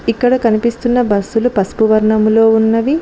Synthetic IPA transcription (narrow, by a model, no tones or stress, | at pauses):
ikːɐɽɐkɐnipist̪unːɐbɐsːulupɐspuʋɐɾɳɐmlo̞ːunːɐʋi